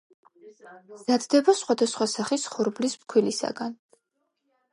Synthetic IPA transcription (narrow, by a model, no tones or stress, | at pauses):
z̥ad̪d̪ɛbasχwad̪asχwasaχisχɔɾblismkʰwilisa̰ɡan